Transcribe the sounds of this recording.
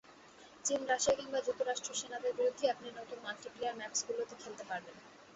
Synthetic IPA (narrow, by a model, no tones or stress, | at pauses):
t͡ɕinɾaʃiakiŋbad͡ʑuk̚t̪ːoɾaʃʈɾoʃenad̪eɾbiɾod̪ʱeɛpniɾnot̪unmalʈiplejaɾmɛpsɡulot̪ekʰelt̪epaɾben